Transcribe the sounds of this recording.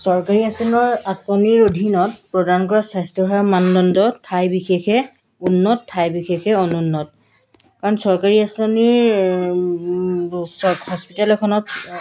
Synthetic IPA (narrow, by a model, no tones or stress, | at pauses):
sɔɹkaɹiasɔnɔɹasɔniɹodʱinɔtpɹɔdankɔɹasajstɔɦɔamandɔndɔtʰːajbixexɛ | unːɔtʰːajbixexɛɔnunːɔt̚ | kaɹɔnsɔɹkaɹiasɔniɹ | sɔhɔspitalɛkʰɔnɔt